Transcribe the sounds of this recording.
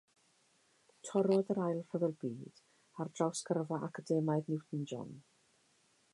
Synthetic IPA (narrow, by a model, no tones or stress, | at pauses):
tʰɔɾɔðəɾajlˠfəðɔlˠbiːd̥ | ardrawskərvaʔakʰadɛmajðnɪwθn̩d͡ʒɔ̰n